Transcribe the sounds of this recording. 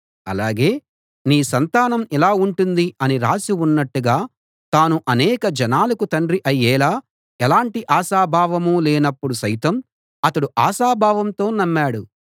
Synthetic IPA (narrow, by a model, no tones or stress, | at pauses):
ɐ̰laːɡe̞ː | niːsɐnt̪aːnɐmɛlaːuɳʈund̪iɐniɾaːsiunːɐʈːuɡaː | t̪aːnuʔɐnɛːkɐd͡ʒɐnaːlɐkut̪ɐɳɖɾiʔɐjːɛːlaː | ɛlaːɳʈiʔaːsaːbʱaːʋɐmulɛːnɐpːuɽusɐjt̪ɐm | ɐt̪ɐɽuʔaːʃaːbʱaːʋɐmt̪o̞ːnɐmːaːɽu